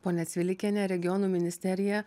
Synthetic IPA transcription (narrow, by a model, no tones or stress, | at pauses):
poːnʲɛt̪sʲʋʲɪlʲɪkʲɛnʲɛɾʲɛɡʲɪjɔnuːmʲɪnʲɪsʲt̪ʲɛɾʲɪjɛ